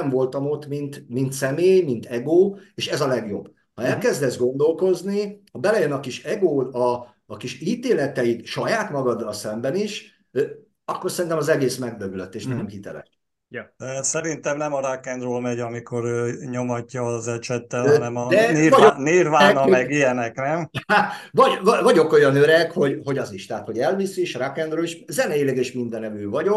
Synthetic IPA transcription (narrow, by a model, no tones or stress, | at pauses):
ɱvo̞lt̪ɒmo̞t̪mint̪mint̪sɛmeːjmint̪ɛɡoːeːʃɛzɒlɛɡjo̞̰bː | hɒɛlkɛzd̪ɛzɡo̞nd̪o̞lko̞znihɒbɛlɛjønɒkiʃɛɡoːɒː | kiʃiːt̪eːlɛt̪ɛjit̪ʃɒjaːt̪mɒɡɒd̪ːɒlsɛmbɛniʃ | ø | ɒkːo̞rsɛɾint̪ɛmɒzɛɡeːsmɛɡ̚bøbyløt̪ːeːʃnɛmhit̪ɛ̰lɛ̰ʃ | ɛsɛɾint̪ɛmnɛmɒɾakːɛnd̪roːlmɛɟɒmiko̞ɾøːɲo̞mɒcːɒːzɛt͡ʃɛt̪ːɛlɒnɛmɒd̪ɛvɒoniːɾvanɒmɛɡijɛnɛknɛmavɒɟvɒvɒɟo̞ko̞jɒnøɾɛkho̞ɟho̞ɟɒziʃt̪ɛɦat̪ho̞ɟɛlvisiʃɾakːɛnd̪roːliʃzɛnɛeːlɛɡeːʃmind̪ɛnɛmyːvɒɟo̞k